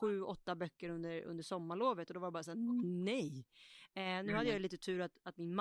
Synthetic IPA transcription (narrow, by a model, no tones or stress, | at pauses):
ɧʉ̟ːɔt̪ːabœkːəɾɵnd̪əɾɵ̰nd̪əʂɔmːaɭoːvət̪ɔd̪ɔvaɾjbɑːɾasæːnɛj | nʉ̟ːhad̪ːjajliːt̪ət̪ʰʉ̟ːɾat̪at̪mɪnm